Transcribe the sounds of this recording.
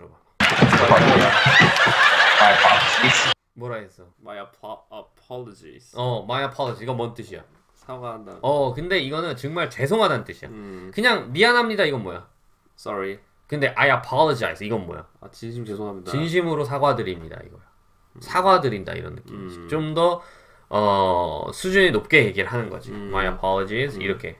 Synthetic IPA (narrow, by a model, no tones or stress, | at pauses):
ɯɾʌba | aa | apais | mwʌɾaɦes͈ʌm | pʰlod͡ʑḭ | ʌmajapʰʌlʌd͡ʑiiɡʌmʌnt͈ɯɕʰija̰ | saɡaʌkɯnde̞iɡʌnɯnt͡ɕɯŋmaɭt͡ɕe̞sʰoŋɦadant͈ɯɕʰija̰kɯɲaŋmianɦamɲidaiɡʌnmwoja̰ | sʌɾi | kɯnde̞ʔajapʰʌlʌd͡ʑia̰es͈ʌiɡʌnmo̰ja̰at͡ɕinɕiesʰoaidt͡ɕinɕ̬ʰimɯɾosʰaɡwadɯɾimɲida̰ḭɡʌjo | sʰaɡwadɯɾinda̰ḭɾʌ̰nːɯ̰k͈imiɕʰit͡ɕomdʌ | ʌ | sʰud͡ʑuninop̚k͈e̞je̞ɡiɾɯɭɦanɯnɡʌ̰d͡ʑiomajapʰalʌd͡ʑisḭɾʌkʰe̞̰